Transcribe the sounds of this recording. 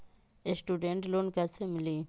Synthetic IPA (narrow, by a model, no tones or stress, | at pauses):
esʈuːɖẽɳʈloːnkɐsemɪli